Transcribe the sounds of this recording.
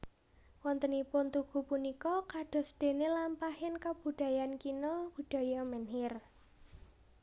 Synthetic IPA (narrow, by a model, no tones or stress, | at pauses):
wɔnt̪ənipʊnt̪uɡ̥ṳpunikɔkaɖ̥ɔ̤sɖ̪̥e̤nelampahɪnkab̥ṳɖ̪̥a̤jankinɔb̥ṳɖ̥a̤jɔmɛnɦɪr